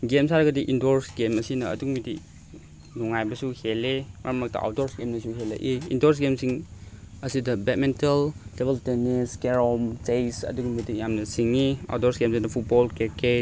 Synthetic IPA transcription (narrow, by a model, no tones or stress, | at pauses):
ɡemsaɾɐɡɐdiʔindoɾsɡemɐsinɐ̰ːduɡmidi | nuŋajbɐsuhelemɐ̰ɾɐmak̚ta̰ʔa̰wdoɾsɡemnɐsuɦelɐ̰ʔiḭndoɾs̬ɡemsiŋ | ɐsidɐbet̚menteldebelteneskeɾɔmt͡ʃejsɐ̰duɡumidijamnɐsiŋːia̰wdɔɾsɡemsinɐpʰut̚bolkeke